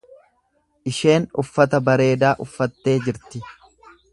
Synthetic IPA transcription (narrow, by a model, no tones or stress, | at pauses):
ʔɪʃe̞ːnʊfːɐt̪ɐbɐɾe̞ːd̪aːʔʊfːɐt̪ːe̞ːd͡ʒɪɾt̪ɪ